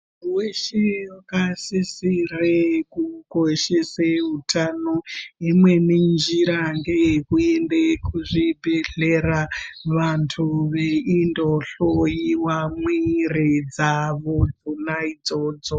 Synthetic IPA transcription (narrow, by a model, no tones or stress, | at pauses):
weʃekasisirekukoʃeseutʰanoimwe̞ninnd͡ʒiɾaŋɡe̞kuendekʰuʐibʱeɮeraʋantʰuʋeindoɬojiwamwired͡zaʋod͡zunaid͡zoːd͡zo